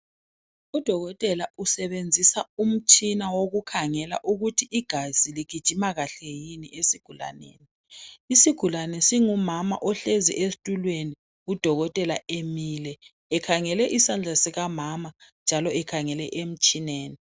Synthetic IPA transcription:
ud̥ʱɔɣɔtʼɛlausɛβend͡zʱisaum̩t͡ʃʼinawoɣukʰaŋɛla̰ʔuɣutʰiʔiɡ̥ʱaz̥iliɡ̥ʱid̥ʒ̥ʱimaɣaɬɛjiniʔesiɡ̥ʱula̰nḛːni | isiɡ̥ʱulanɛsiŋumama̰ʔɔɬezḭʔestʼulweni | ud̥ʱɔɣɔtʼɛlaemilɛː | kʰaŋɛlɛʔisand͡ɮʱasiɣamamand͡ʒʱalɔɛkʰaŋɛlɛʔem̩t͡ʃʼineːni

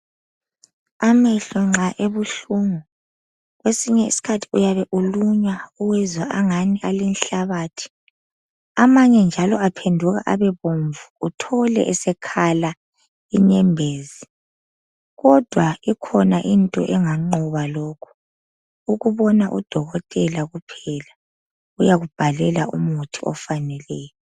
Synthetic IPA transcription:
amɛɬɛŋ͡ǁaʔeβuɬuːŋu | ɣwesiɲɛḭsi̥kʰatʰi̥ujaβɛʔuluɲwauwɛzwaʔaŋanialinɬaβaːtʰi̥ | amaɲɛnd͡ʒʱalɔapʰendʱuɣa̰ʔaβɛβoɱvuːtʰɔlɛ̰ʔɛsɛkʰala | iɲɛmbʱeːzi | ɣɔd̥ʱwaikʰɔnaʔintʼɔ̰ʔɛŋaŋ͡ǃɔβalɔːkʰu̥ | uɣuβɔnaʔṵd̥ʱɔɣɔtʼɛlaɣupʰɛla | ujaɣub̥ʱalɛlaṵmutʰiɔfanɛlɛːjɔ

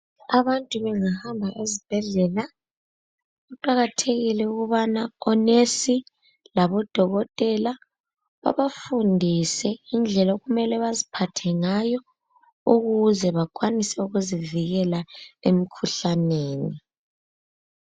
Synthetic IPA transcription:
aβantʼuβɛŋahambʱaʔezib̥ʱɛɮɛla | ɣuǃaɣatʰeɣilɛuɣuβanaɔnesi | laβɔd̥ʱɔɣɔtʼɛla | βa̰βafundʱisɛind͡ɮʱɛlaɣumɛlɛβazipʰatʰɛŋajɔ | uɣuzɛβakʼwanisɛuɣuziviɣɛlaem̩kʰuɬaneːni

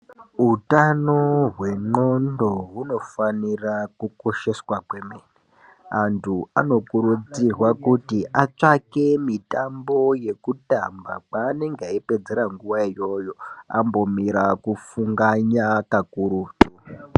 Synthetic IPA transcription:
ɦutano̞ɦwe̞ŋ͡ǃo̞ndo̞ɦuno̞fanirakuko̞ʃe̞swakwe̞meːne | antʰua̰no̞kuɾud͡zirwakutiʔat͡ʂake̞mitambo̞je̞kuta̰mba̰k͡paːneŋɡaipe̞d͡ze̞ɾaŋɡuʋaijo̞jo̞a̰mbo̞miɾakufuŋɡaɲakakuɾuːtu

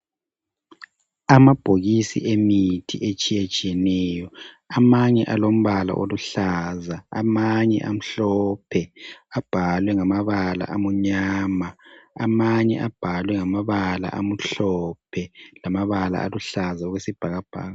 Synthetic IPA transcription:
amab̥ʱoɣisḭʔemitʰḭʔet͡ʃʼijet͡ʃʼijɛnɛjɔ | amaɲɛʔalom̩βala̰ʔoluɬazaa̰maɲɛ̰ʔam̩ɬɔpʰɛab̥ʱalwɛŋamaβala̰ʔamuɲaːmaa̰maɲɛ̰ʔab̥ʱalwɛŋamaβala̰ʔam̩ɬɔpʰɛlamaβala̰ʔa̰luɬazaɔɣwesib̥ʱaɣab̥ʱa̰ːɣa

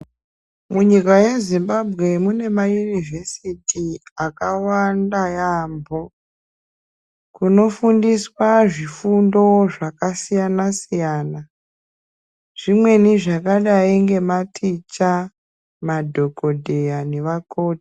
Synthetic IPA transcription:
muɲikaje̞zimbabʱɣe̞mune̞majunivesitiakawandajaːmbo̞ | kuno̞fundiswaʐifundo̞ʐakasijanasijaːna | ʐ̥imwe̞niʐakaɗaiŋɡe̞matʰit͡ʃa | madʱo̞ko̞dʱejaneʋako̞ːti̥

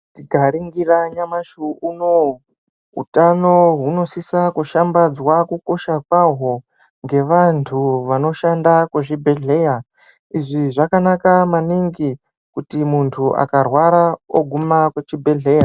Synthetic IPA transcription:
tiɡaɾiŋɡiraɲamaʃuuno | ɦṵtano̞ɦuno̞sisakuʃambad͡zwakuko̞ʃakwaɦo | ŋɡe̞ʋantʰuʋano̞ʃandakweʐibʱe̞ɮe̞ja | iʐiʐakanakamaniŋɡi | kutimuntʰuʔa̰karwaɾaoɡʱumakwet͡ʃibʱe̞ɮe̞ːja

